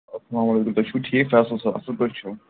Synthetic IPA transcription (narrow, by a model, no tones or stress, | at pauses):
ɐsɐlaːmɐleːkumt̪ɐt͡ʃʰuʈʰiefɛːslsɐa̰sɐlkɐɾt͡ʃʰu